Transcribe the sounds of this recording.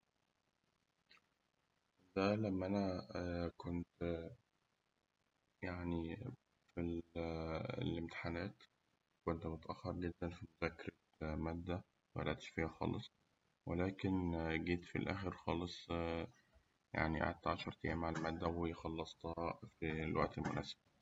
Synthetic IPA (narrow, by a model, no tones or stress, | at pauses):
d̪ælæmːæʔænækont̪ | jaʕni | fil | lemt̪e̥ħanæːt̪ | kont̪mot̪æʔæxːɑɾˤɡed̪ːænfimozækːeɾɑ | mæːd̪ːæ | wʔæ̰lʔæ̰ʔt̪e̥ʃfiːhæxɑ̰ːlesˤ | welæːkenɡiːt̪fḭlʔæːxeɾxɑːlesˤ | ja̰ʕniʔa̰ʕa̰d̪̚t̪ʕaʃɑɾˤt̪eʔæ̰ːmʕalmæːd̪ːæwejxɑlːɑsˤt̪hɑfilwæ̰ʔt̪elmonæ̰ːse̥bæ